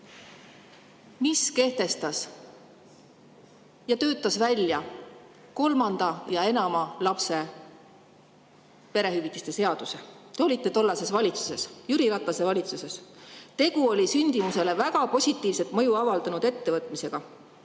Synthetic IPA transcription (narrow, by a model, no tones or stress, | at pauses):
miske̞ht̪e̞st̪ɑs | jɑt̪ø̞ːt̪ːˑɑsvælʲjɑ | ko̞lmɑnd̪̥ɑjɑe̞nɑmɑlɑpse̞ | pe̞ɾe̞ɦyvit̪ːˑist̪e̞se̞ɑd̪̥uset̪eo̞lʲit̪ːet̪o̞lːɑse̞svɑlʲit̪su̥se̞sjyɾilɑt̪vɑse̞vɑlʲit̪suse̞st̪e̞ɡuo̞lʲisynʲd̪̥imuse̞le̞væɡɑpo̞sʲit̪ˑːiːvse̞t̪mɤjuɑvɑld̪̥ɑnud̪e̞t̪ːe̞vɤt̪ːˑmise̞ɡ̥ɑ